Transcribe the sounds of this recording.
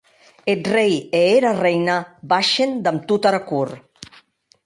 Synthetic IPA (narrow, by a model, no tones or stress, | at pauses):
et̪rejeeɾarejnabaʃend̪amt̪ut̪aɾakuɾ